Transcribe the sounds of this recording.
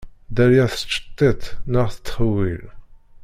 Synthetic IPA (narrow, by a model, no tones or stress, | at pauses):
d̪æljæθə̥t͡ʃːə̥t̪ˤːit̪nəʁθə̥t̪ːχəwil